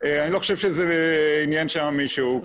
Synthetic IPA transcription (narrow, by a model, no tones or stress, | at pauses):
eaniloχoʃevʃezeinjanʃeamiʃu